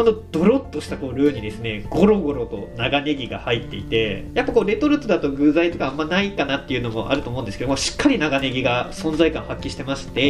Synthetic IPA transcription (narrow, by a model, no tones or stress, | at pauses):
konod̪̥o̞ɾo̞t̪ːo̞ɕi̥t̪ako̞ːɾɯ̟ːɲ̟id̪e̞sɨne̞ɡo̞ɾo̞ɡo̞ɾo̞t̪o̞naɡane̞ɡʲiɡa̰hait̪ːe̞it̪e̞japːako̞ːɾe̞t̪o̞ɾɯ̟t̪od̪at̪o̞ɡɯ̟zait̪o̞kaamːanaikanat̪ːe̞iɯ̟no̞mo̞̰ʔa̰ɾɯ̟t̪omo̞ɯ̃nd̪eɨ̥keomaɕi̥kːaɾʲinaɡane̞ɡʲiɡasõ̞nd͡zaikãɰ̃hakʲːiɕi̥t̪e̞maɕi̥t̪e̞